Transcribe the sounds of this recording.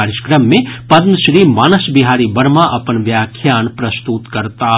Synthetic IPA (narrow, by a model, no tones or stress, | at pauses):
ɾɪʃkɾəmːẽpɐd̪mʃɾiːmaːnəsbɪɦaːɾibɐɾmãʔɐpənʋjaːkʰjaːnpɾɐst̪ut̪kɐɾt̪a